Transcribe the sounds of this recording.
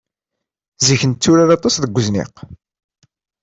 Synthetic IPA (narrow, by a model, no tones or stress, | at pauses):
ziçənt͡sːʊɾaðɑt̪ˤːɑsðəɡʷːəznḭq